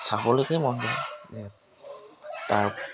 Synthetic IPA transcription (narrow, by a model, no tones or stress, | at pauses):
sabɔlojkejmɔnzɛzɛ | taɹ